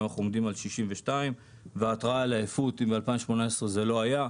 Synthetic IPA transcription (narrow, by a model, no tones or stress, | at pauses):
aχuomd̪imalʃiʃimveʃtaim | veat̪ʁaalaefut̪imbealpaimʃmo̞naesʁeze̞lo̞aja